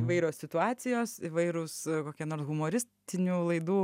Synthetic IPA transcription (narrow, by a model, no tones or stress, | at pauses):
ɪʋɐɪɾʲoːsʲsʲɪt̪ʊɑːt͡ssʲɪjoːsɪʋɐɪɾoːskoːkʲiɛnoːrsɣʊmoːɾʲɪsʲt̪ʲɪnʲuːlˠɐɪd̪uː